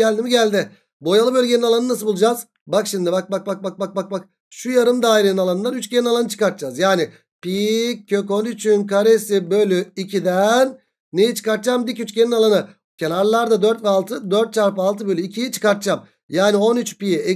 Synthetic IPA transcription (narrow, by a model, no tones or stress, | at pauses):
ɛlʲd̪imiɟælʲd̪ɪ | bo̞jalˠɯbølʲɟeninalˠanɯnas̬ɯbulˠd͡ʒaz | bakʃimd̪ibak̚bak̚bak̚bak̚bak̚bak̚bak̚ | ʃujaɾɯmd̪aːiɾeninalˠanɯnd̪anyt͡ʃcʰe̞ninalˠanɯt͡ʃʰɯ̥kaɾt̪̚d͡ʒazjaːnɪ | picʰːø̞ko̞nyt͡ʃʰynkʰaɾesibølʲyicʰid̪ænː | ejit͡ʃʰɯ̥kaɾt̪̚t͡ʃamd̪icyt͡ʃcʰe̞ninalˠanɯ | cʰe̞naɾlˠaɾd̪ad̪øɾt̪vɛalˠt̪ʰɯd̪øɾt̪̚t͡ʃʰaɾpɯalˠt̪ʰɯbø̞lʲyicʰijit͡ʃʰɯ̥kaɾt̪̚d͡ʒam | jaːnio̞nyt͡ʃpijɛ